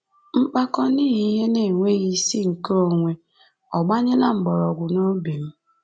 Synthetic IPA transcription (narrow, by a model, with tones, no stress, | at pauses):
ŋ͡m̩˦k͡pa˦kɔ˦niː˦ɦi˦ɦe˦ne˨ŋʷe˦ɣi˦si˦ŋ̩˨ko˨ŋʷe˨ | ɔ˨ɡ͡ba˦ɲɪ˦la˦ŋ͡m̩˨ɡ͡bɔ˨ɾɔ˨ɡʷʊ˨no˦be˨m̩˦